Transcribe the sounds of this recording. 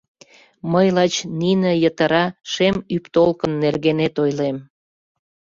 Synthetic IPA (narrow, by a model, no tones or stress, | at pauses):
məjlɑt͡ɕninĕjət̪əɾɑʃemypt̪olkənːerɣenet̪ojlem